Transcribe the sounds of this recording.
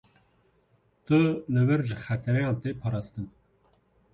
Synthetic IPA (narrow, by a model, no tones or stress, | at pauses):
t̪ɨlɨwɨɾʒɨxæt̪ʰɛɾɛjɑ̃ːnt̪epʰɑːɾɑːst̪ɨn